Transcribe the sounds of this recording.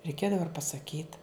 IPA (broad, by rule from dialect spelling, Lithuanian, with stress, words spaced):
rʲɛɪˈkʲeːdɐʋɐ ɪr pɐsɐˈkʲiːt